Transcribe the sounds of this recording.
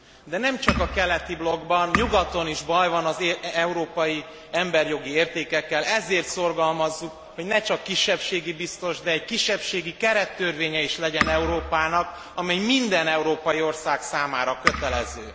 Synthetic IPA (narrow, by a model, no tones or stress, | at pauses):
d̪ɛnɛmt͡ʃɒkɒkɛlɛt̪iblo̞ɡbɒnɲuɡɒt̪o̞niʒbɒjvɒnɒzɛuɾoːpɒji | ɛmbɛrjo̞ɡieːrt̪eːkɛkːɛlʔɛzeːrt̪so̞rɡɒlmɒzːuk | ho̞ɟnɛt͡ʃɒkːiʃːɛpʃeːɡibist̪o̞ʒd̪ɛːckiʃːɛpʃeːɡikɛɾɛt̪ːørveːɲɛiʃlɛɟɛnɛuɾoːpaːnɒk | ɒmɛjmind̪ɛnɛuɾoːpɒjio̞rsaːksaːmaːɾɒkøt̪ɛlɛzø̰ː